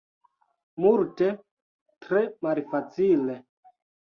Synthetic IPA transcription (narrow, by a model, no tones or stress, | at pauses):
multe | tɾemalfat͡sile